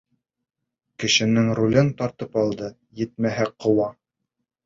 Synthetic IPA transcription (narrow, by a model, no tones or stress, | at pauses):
kɘ̆ʃɘ̆nɘŋɾulʲɘnt̪ɑɾt̪ɤpɑlˠd̪ɤ | jɘ̆t̪̚mæɦæqʰɤ̆wɑ